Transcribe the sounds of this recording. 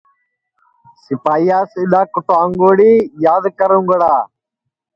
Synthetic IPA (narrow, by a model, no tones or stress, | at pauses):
sɪpaːijaːsɪɗ̪aːkʊʈaːŋɡoːɽiːjaːd̪kəɾũːŋɡəɽaː